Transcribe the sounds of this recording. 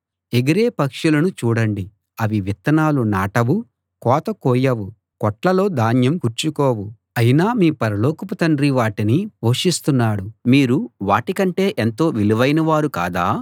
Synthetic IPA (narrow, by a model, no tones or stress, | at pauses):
eɡiɾe̞ːpɐkʂulɐnut͡ʃuːɽɐɳɖi | ɐʋiʋit̪ːɐnaːlunaːʈɐʋu | kɔːt̪ɐkɔːjɐʋu | kɔʈlɐlo̞ːd̪aːnjɐmkuɾt͡ʃukoːwu | ɐjinaːmiːpɐɾɐloːkupɐt̪ɐɳɖɾiʋaːʈinioːʂist̪unːaːɽumiːɾuʋaːʈikɐɳʈe̞ːʔent̪o̞ːʋiliʋɐjnɐʋaːɾuka̰ːd̪aː